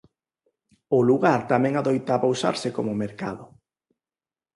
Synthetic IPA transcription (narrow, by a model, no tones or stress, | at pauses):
ʊluɣaɾt̪amɛ̃ŋaðojt̪aβowsa̰ɾsɪkomʊmeɾkaðʊ